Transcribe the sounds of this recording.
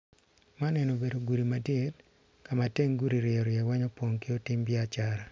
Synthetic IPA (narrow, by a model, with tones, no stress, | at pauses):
ma˦nɛno˨be˨do˨ɡu˨ɾi˨madɪ˦t | ka˨ma˨te˦ŋɡu˦ɾi˨ɾɪɔ˨ɾɪɛwa˦ɲɔ˦pwo˨ŋkɪ˦o˦tɪ˦mbɪat͡ʃaɾa˨